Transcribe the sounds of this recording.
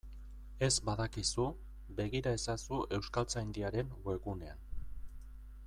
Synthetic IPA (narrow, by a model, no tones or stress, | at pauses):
e̞zbaðakisu | be̞ɣiɾae̞sasuʔe̞wskalt͡sajnd̪iaɾe̞nɡwe̞ɣune̞an